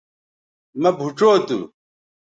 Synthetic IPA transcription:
mɐbʱuʈ͡ʂoːt̪ṵ

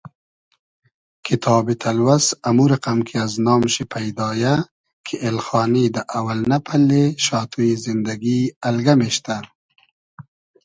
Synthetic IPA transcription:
kʰit̪ʰɑːbit̪ʰalwasamuɾaqamkʰiaznɑːmʃipʰajd̪ɑːja | kʰiʔelxɑːnid̪aʔawalnapʰalːeʃɑːt̪ʰujizind̪aɡiɐlɡameʃt̪a

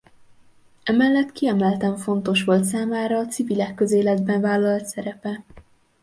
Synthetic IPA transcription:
ɛmɛlːɛt̪kiɛmɛlt̪ɛɱfo̞nt̪o̞ʃʋo̞lt̪saːmaːɾɒːt̪sivilɛkːøzeːlɛd̪bɛɱvaːlːɒlt̪sɛɾɛpɛ

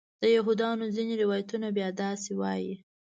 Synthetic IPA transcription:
d̪̥əjaɦud̪ɑnozineɾɪwɑjat̪unabjɑd̪ɑsewɑ̰ji

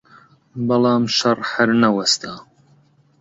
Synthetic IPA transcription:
bɐlˠɑːmʃɐrħɐɾnɐwɐst̪ʰaː

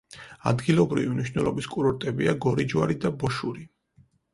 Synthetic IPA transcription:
a̰d̪ɡilˠɔbɾivimniʃnɛlˠɔbiskʼuɾɔɾt̪ʼɛbiaɡɔɾid͡ʒwaɾid̪abɔʃuɾi

